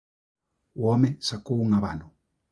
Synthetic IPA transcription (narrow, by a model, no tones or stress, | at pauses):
wɔmɛsakuuŋaβa̰nu